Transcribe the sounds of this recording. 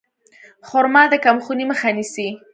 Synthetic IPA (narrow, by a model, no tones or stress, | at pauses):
xʊɾmɑd̪əkamxuniməxanisi